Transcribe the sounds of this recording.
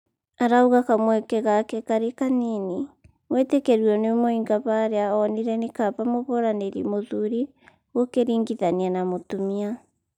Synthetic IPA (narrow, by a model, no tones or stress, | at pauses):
aɾauɣakamwɛkɛɣakɛkaɾekanini | wɛtɛkɛɾwɔnemoiŋɡaβaːɾeaɔniɾɛnekaβamoβoɾaneɾḭmoðuɾi | ɣokeɾiːŋɡiðanianamotomia